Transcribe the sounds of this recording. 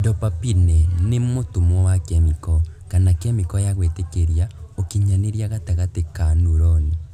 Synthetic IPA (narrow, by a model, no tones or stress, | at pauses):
dɔpapinɛnemotomwɔwakɛmikɔkanakɛmikɔjaɣwetekeɾjaokiɲaneɾjaɣataɣatekanuɾɔni